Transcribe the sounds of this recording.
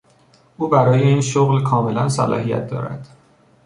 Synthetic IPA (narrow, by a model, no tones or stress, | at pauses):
ʔuːbæɾɒːje̞iːnʃoɣlkʰɒːme̞lænsælɒ̰ːɦijæ̰t̪̚ʰd̪ɒ̰ːɾæ̰d̪̥